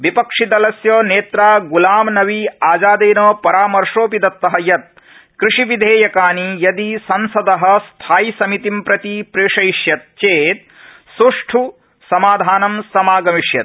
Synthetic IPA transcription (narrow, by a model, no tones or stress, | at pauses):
ʋipɐkʂid̪ɐlɐsjoːneːt̪ɾaːɡulaːmnɐʋiaːd͡ʒaːd̪eːnoːpɐɾaːmɐɾʂoːpid̪ɐt̪ːɐɦɐjɐt̪̚ | kɾiʂiʋid̪ʱeːjɐkaːnijɐd̪isɐnsɐd̪ɐɦɐ̆st̪ʰaːjisɐmit̪impɾɐt̪ipɾeːʂɐjʃjɐt̪̚t͡ʃeːt̪̚ | suʂʈʰu | sɐmaːd̪ʱaːnɐmsɐmaːɡɐmiʂjɐ̰t̪̚